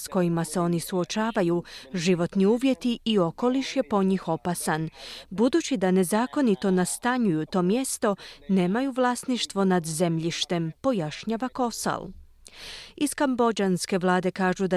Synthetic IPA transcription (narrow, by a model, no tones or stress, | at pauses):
sko̞jimase̞o̞nisuo̞t͡ʃaːʋajuʒiʋo̞t̪niuːʋje̞t̪iːo̞ko̞liʃje̞po̞ɲixo̞pasanbud̪uːt͡ɕid̪ane̞zaːko̞nit̪o̞nast̪aɲujut̪o̞ːmje̞st̪o̞ne̞ːmajuʋlˠaːsniʃt̪ʋo̞nad̪ze̞mʎiʃt̪e̞mpo̞jaʃɲaʋako̞sa̰l | iskambo̞d͡ʒanske̞ʋlˠaːd̪e̞kaːʒud̪a